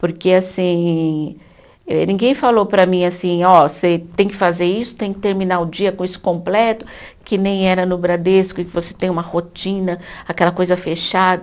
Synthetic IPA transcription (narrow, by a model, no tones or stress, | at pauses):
poɾkeasĩ | ɛ̰nĩŋɡẽj̃falowpɾɐmĩasĩɔset̪ẽj̃kɪfazeɾisʊ̥t̪ẽj̃kɪ̥t̪eɾmĩnaʊd͡ʒiɐkõisʊ̥kõmplɛt̪ʊ | kɪnẽj̃ɛɾɐnʊbɾad̪eskʊɪkɪvose̥t̪ẽj̃ũmɐhot͡ʃĩnɐakɛlɐkojzɐfeʃad̪